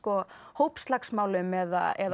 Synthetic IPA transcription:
kɔ | howpst̪laksmaːwlʏmɛða̰ɛ̰ð

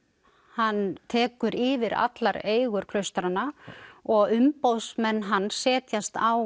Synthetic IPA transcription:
hanːt̪ʰɛːkʏɾiːvɪɾa̰t̪laɾeːjɣʏɾ̥kʰlœɥst̪ɾanːaɔɣʏmpowsmɛnːɦanːsɛːt̪jast̪aw

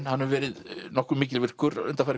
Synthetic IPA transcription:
nhanːɛɾvɛːɾɪðnɔhkʏmiːcɪlvɪr̥kʏɾʏ̰nt̪afajɾɪ

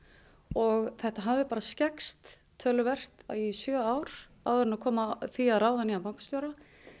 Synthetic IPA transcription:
ɔɣθɛht̪aɦavɪpaːɾascɛkst̪ʰː | œːlʏvɛr̥t̪a̰isjœːawɾ̥ | a̰wðɛɾnakʰɔːmaθiaðɾawðaniapawŋ̥kʏ̥st̪jowɾa

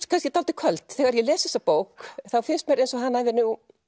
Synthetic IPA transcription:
kʰanscɪt̪alt̪ɪkʰvœlt̪θɛɣaɾjɛlɛːsɛsːapoːwkθawfɪnst̪mɛɾejnsɔɦanːavɪnuw

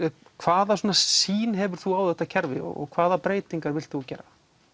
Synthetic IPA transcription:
kʰv̥aːðaswɔːnasiːnɦɛvʏɾ̥θuaːwðɛht̪ːacʰɛɾvɪ̰ɔ̰ɔ̰ɣkʰv̥aːðapɾeːjt̪iŋkaɾvɪl̥t̪θucɛ̰ːɾa

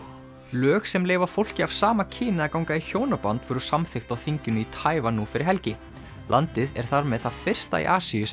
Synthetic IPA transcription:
lœːxsɛmleːjvafowl̥cɪav̥saːmacʰiːnɪðakawŋkaiçjoːwnapant̪vfœɾʏ̥samθɪxt̪awθiɲcʏnʏit̪ʰaːjvanufɪɾʔɪɾ̥ɦɛlcɪ | la̰nt̪ɪðɛ̰ɾ̥θaɾmɛðθaðfɪr̥st̪a̰ḭʔaːsijʏs

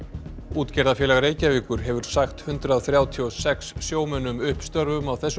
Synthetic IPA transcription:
uːt̪cɛɾðafjɛːlɛɣɾeːjcaviːkʏɾɦɛvʏɾ̥saxt̪hʏnt̪ɾaðθɾjaːwt̪ʰiɔsɛksːjoːwmœnːʏmʏhpst̪œɾvʏmawθɛsː

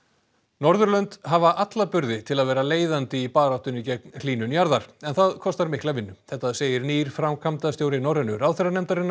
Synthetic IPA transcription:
nɔɾðʏɾlœnt̪ɦavaʔat̪lapʏɾðɪt̪ʰɪlaðvɛːɾaleːjðant̪ɪipaːɾawht̪ʏnicɛknliːnʏnjaɾðaɾ̥ɛnθaðkʰɔst̪aɾmɪhklavɪnːʏθɛht̪ːaðseːjɪɾniːɾ̥fɾawmkʰamt̪ast̪jowɾɪnɔɾðɛnʏɾawθɛɾanɛmt̪aɾɪnːa

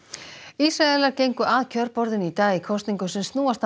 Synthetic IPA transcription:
isɾaɛlaɾcejŋkʏʔaːðcʰœɾpɔɾðɪnit̪aːjɪkʰɔst̪niŋkʏsɪnst̪nuːast̪

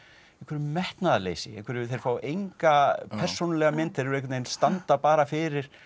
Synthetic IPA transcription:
ɛ̃kʰɛɾʏmɛht̪naðalḛːjsɪɛ̰hkʰɛɾʏθejɾ̥faːwejŋkapʰɛr̥sːownalɛɣamɪnt̪ɪɾɾejkʰːʏt̪nejnst̪ant̪apaːɾafɪɾɪɾ̥

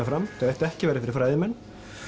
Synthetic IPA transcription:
afɾamt̪aðɛht̪ɛhcɪvɛːɾɪfɪɾɪɾ̥fɾaːjðɪmɛnː

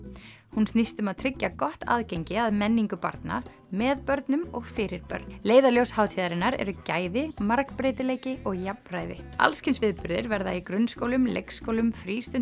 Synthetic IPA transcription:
hunst̪nist̪ʏmaðt̪ʰɾɪcːakɔht̪a̰ːðcejɲcɪaðmɛnːiŋkʏpa̰ɾt̪na̰ | mɛðpœɾt̪nʏmɔɣfɪːɾɪɾ̥pœ̰ɾt̪leːjðaljowshaːwt̪ʰiðaɾɪnːaɾɛ̰ɾʏcaːjðɪmaɾkpɾeːjt̪ɪleːjcɪɔɣjapnɾaːjðɪ̰a̰lscɪnsvɪðpʏɾðɪ̰ɾvɛɾðaikɾʏnːskoːwlʏmlḛjkskowlʏmfɾiːst̪ʏn

